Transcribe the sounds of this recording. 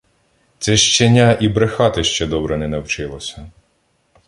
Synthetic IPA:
t̪sɛʃt͡ʃenʲːaʔibɾexɑt̪ɪʃt͡ʃɛd̪ɔbɾɛnɛnɐwt͡ʃɪlˠɔsʲɐ

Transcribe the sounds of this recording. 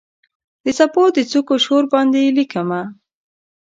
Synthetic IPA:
d̪̥əsapod̪ət͡sukoʃoɾbɑnd̪elikama

